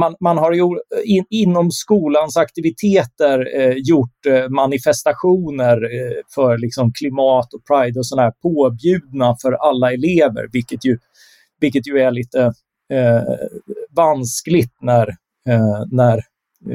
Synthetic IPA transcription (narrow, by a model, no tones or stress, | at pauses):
manmanɦaɾjʊɪɪnːɔmskuːlansakt̪ɪvɪt̪ʰeːt̪əɾjʊʈːmanɪfɛst̪aɧuːnəɾfœɾlɪksɔmkʰlɪmɑːt̪ɔpʰɾajd̪ɔsɔnaæːɾpʰoːbjʉ̟ːd̪̚nafœɾʔalːaɛleːvə̰ɾvɪlkːət̪jɵ | vɪlkːət̪jɵæɭiːt̪ə | vansklɪt̪næɾ | næɾ